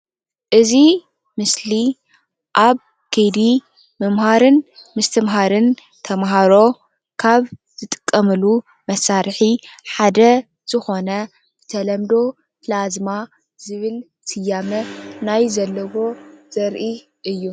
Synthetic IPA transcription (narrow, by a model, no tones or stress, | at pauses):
ʔɨzi | mɨsli | ʔaβ | kʰed̪i | mɐmhaɾɨnmɨst̪ʰɨmɦaɾɨn | t̪ʰɐmɦaɾo̞ | kʰaβz̥ɨt̪ʼɨ̥kʼːɐmɨlu | mɐsːaɾħiħad̪ɐ | z̥ɨxo̞nɐ | b̥ɨt̪ʰɐlɐmd̪o̞ | plazma | z̥ɨβɨl | tʰɨjamɐnajzɐlːɐwo̞z̥ɐɾʔi | ʔɨjːu